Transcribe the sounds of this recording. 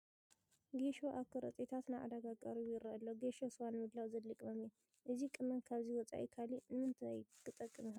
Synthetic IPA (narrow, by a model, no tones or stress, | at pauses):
ɡeʃoʔakʰɨɾɐ̰t̪ʼet̪ʰat̪naʔa̰d̪aɡakʼaɾijɪɾɐʔɐlːoɡeʃoswanmɨd̪lawzɐlːɨkʼmɐmjɛ | ʔɨzikʼɨmɐnkʰaβziwɔt͡sʼa̰ʔḭkʰalinɨmɨnt̪ʰɨajkʰːɨt̪ʼɐkʼːɨmɨha